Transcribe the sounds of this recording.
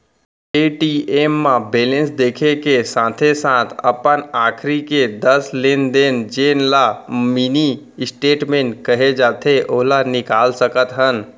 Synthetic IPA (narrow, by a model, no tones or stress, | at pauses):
eːʈieːmːãbeːlẽnsd̪eːkʰekesãːt̪ʰesãːt̪ʰəpənaːkʰɾiked̪əsleːnd̪eːnd͡ʒeːnlamini | ɪsʈeːʈmẽːɳʈkəɦed͡ʒaːt̪ʰeʔoːɦlanɪkaːlsəkət̪ɦən